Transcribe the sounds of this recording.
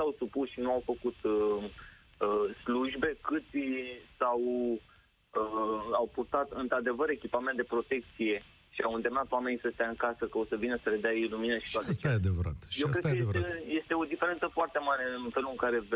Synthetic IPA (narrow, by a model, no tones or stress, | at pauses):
sawsupusʃinuawfəkut̪ | əsluʒbe̞kɨt̪sʲsaw | awpurt̪at̪ɨnt̪ɾad̪e̞vəɾe̞kʲipamẽnt̪d̪e̞pɾo̞t̪e̞k̚t̪sije̞ | ʃiawɨnd̪e̞mnat̪oame̞nisəst̪aɨŋkasəkəo̞səvinəsəled̪eaeejluminəʃi̥t̪oat̪əst͡ʃ̪aajead̪evəɾa̰t̪jewkɾe̥kəjeeje̞st̪e̞o̞d̪ifeɾe̞nt̪səfoart̪e̞maɾe̞ɨnfe̞luɨŋkaɾe̞